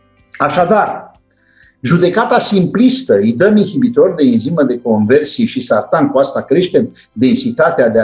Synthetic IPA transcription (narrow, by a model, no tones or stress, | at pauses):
aʃad̪ar | ʒud̪e̞kat̪asimplist̪əijd̪əminxibit̪o̞rd̪e̞inziməd̪e̞ko̞nve̞rsiʃisart̪aŋkuast̪akɾe̞ʃt̪em | d̪e̞nsit̪at̪ead̪ea